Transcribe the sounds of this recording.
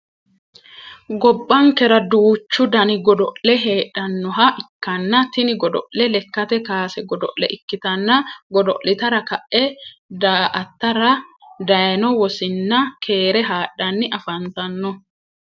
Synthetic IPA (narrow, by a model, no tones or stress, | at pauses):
ɡɔbːɐŋkɛɾɐd̪uːt͡ʃːʊd̪ɐnɪɡɔd̪ɔʔlɛɦeːᶑɐnːɔɦɐʔɪkːɐnːɐt̪ɪnɪɡɔd̪ɔ̰ʔlɛlɛkːɐt̪ɛkaːsɛɡɔd̪ɔ̰ʔlɛ̰ʔɪkːɪt̪ɐnːɐɡɔd̪ɔ̰ʔlɪt̪ɐɾɐkɐʔːɛd̪aːʔɐt̪ːɐɾɐd̪ɐjɐnɔwɔsɪnːɐkʰe̞ːɾɛɦaːᶑːɐnːɪʔɐfɐnt̪ɐnːɔ